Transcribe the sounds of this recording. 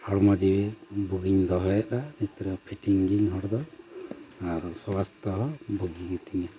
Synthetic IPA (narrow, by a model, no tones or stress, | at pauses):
hɔɽmɔd͡ʒibɛbuɡiɲd̪ɔɦɔjaʔɗanit̪ɾɔpʰiʈiŋɡiɲɦɔɽd̪ɔ | aɾsɔbast̪ɔɦɔbuɡiɡit̪iɲa